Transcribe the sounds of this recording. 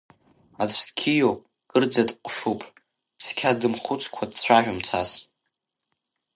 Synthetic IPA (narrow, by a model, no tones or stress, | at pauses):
at͡ɕʷtkʲʰijo | ɡ̥ɨrd͡zatʼqʷʼʂupʰʼ | sʰkʲʰadɨmχʊt͡sʰʼkʷʰadt͡sʷʰaʒᶣamt͡sʷʰas